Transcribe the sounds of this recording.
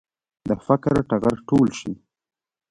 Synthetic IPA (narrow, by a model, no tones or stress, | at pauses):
d̪əfakɾʈaɣaɾʈolʃi